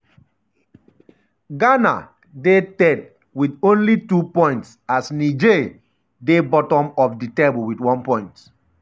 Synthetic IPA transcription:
ɡana̰ | detɛd̚ | widõnlitupɔ̃j̃ntsasnid͡ʒe | debɔtɔ̃mɔfditeblwidwɔ̃npɔ̃ɪ̃nt

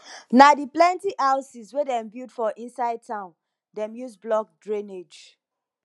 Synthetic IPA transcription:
nadiplɛ̃ntiʔaʊsiswedɛ̃mbidfɔʔĩnsaɪd̚tʰãʊ̃n | dɛ̃mjusblɔk̚dɹĩned͡ʒ

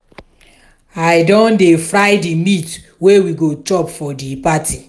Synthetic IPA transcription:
aɪdɔ̃ndefɾaɪdimit | wewiɡot͡ʃɔpfɔdipatʰi

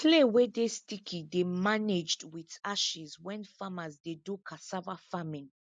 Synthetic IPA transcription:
kʰlewɛdestikʰidemaned͡ʒdwitaʃizwɛ̃nfamazdedukʰasavafamĩn

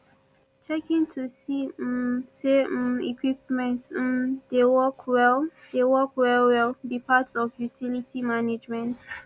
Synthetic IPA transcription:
t͡ʃɛkĩŋtʰusi | seḭkʰwip̚mɛ̃ntdewɔkʰwɛl | dewɔkwɛlwɛlbipʰatɔfjutʰilitʰimaned͡ʒmɛ̃nt

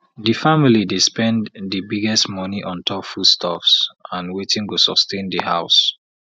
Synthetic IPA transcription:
difamilidespɛ̃nddibiɡɛstmɔniʔɔ̃ntʰɔpfudstʰɔfsãnwetĩŋtusɔstẽndihaʊs

